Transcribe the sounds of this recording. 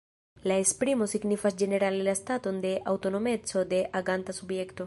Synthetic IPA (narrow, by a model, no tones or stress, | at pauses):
laespɾimo̞siɡnifasd͡ʒe̞ne̞ɾalelastato̞nde̞ʔawto̞no̞me̞t͡so̞de̞ʔʔaɡantasubje̞kto̞